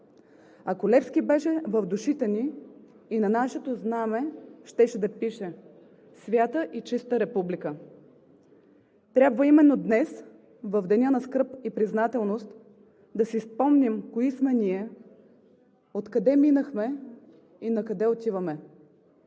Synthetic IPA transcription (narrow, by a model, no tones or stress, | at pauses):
akolɛfskibɛʃɛvɐvd̪uʃit̪ɛniː | nɐnaʃɛt̪oznamɛʃt̪ɛʃɛd̪ɐpiʃɛ | svʲjat̪əʔit͡ʃist̪əɾɛpublikə | t̪ɾʲabvɐimɛnːod̪nɛs | vɐvd̪ɛnʲanɐskɤɾpipɾiznat̪ɛlˠnost̪ | d̪ɐsispɔmnimkoismɛniɛ | ot̪kɐd̪ɛminəxmɛ | inɐkɐd̪ɛot̪ʲivɐmɛ